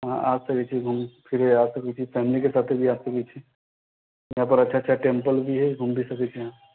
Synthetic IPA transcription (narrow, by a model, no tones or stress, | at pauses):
ɦã̰ʔaːsɐkɛt͡ʃʰiɡʱumpʰɪɾɦɛaːsɐkɛt͡ʃʰifɛːmlikesaːt̪ʰebʱiaːsɐkɛt͡ʃʰi | jɐɦãp̬əɾɐtːʃʰatːʃʰaʈẽmpəlbʱiɦɛɡʱumbʱisɐkɛt͡ʃʰijɦãː